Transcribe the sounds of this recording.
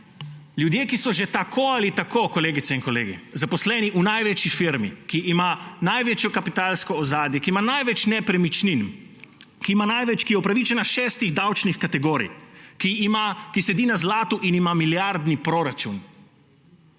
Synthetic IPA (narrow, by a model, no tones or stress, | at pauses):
ljud̪jeːkisɔʒet̪akʰoalit̪akokɔleːɡit̪sɛinkɔleːɡḭzapɔslɛniʔunajʋɛt͡ʃifiɾmḭkiʔːmanajʋeːt͡ʃjɔkapit̪aːlskɔːzaːd̪jɛkiːmanajʋɛt͡ʃnɛpɾɛmit͡ʃnin | kiːmanajʋɛt͡ʃkijɛupɾaʋit͡ʃɛnaʃɛːst̪iɣd̪awt͡ʃnixkat̪ɛɡoːɾḭjkimakisɛd̪iːnazlaːt̪uʔinimamiljaɾd̪nipɾoːɾat͡ʃun